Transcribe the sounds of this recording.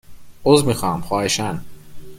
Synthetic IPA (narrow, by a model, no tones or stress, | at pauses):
ozmixɑːmxɔːeʃæn